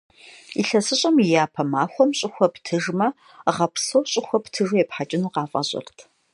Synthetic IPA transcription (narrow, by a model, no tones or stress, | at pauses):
iɬɐsɨɕʼɐmijaːpʰɐmaːxʷɔmɕʼɪxʷɔptʰɨʒmɐ | ʁɐpʰsoːɕʼɪxʷɔptʰɨʒojɛpħat͡ʃʼɪnuqɑːfʼɐ̰ɕʼɐ̰rtʰ